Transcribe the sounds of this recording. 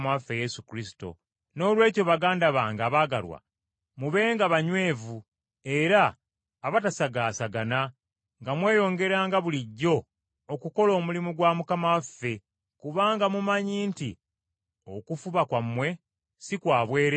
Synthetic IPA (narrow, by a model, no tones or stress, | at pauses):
mafːeje̞sukɾisi̥to̞̰ | no̞ːlwe̞ːco̞βaɡaːndaβaːŋɡaːβaːɡa̰lwa̰ | muβe̞ːŋɡaβaɲwe̞ːvu | e̞ɾaː | βatasaɡaːsaɡana | ŋɡamwe̞ːjo̞ːŋɡe̞ɾaːŋɡaβuliɟːo̞ː | kuko̞lo̞ːmulimuɡwamukamaafːe̞ | kuβaːŋɡamumaɲiːnti | okufuβakwamːwe̞ | sikwaːβwe̞ːɾe